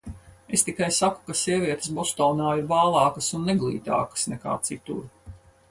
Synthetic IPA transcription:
est̪ikajsaku̥kasiɛvʲiɛt̪ə̥sbɔst̪ɔːnaːiɾvaːlˠɑːkəsunːeɡlˠḭːt̪a̰ːkə̥snɛka̰ːt̪sit̪ṵɾ

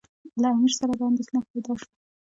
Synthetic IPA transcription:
laamiɾsaɾad̪əand̪exnapajd̪ɑʃwo

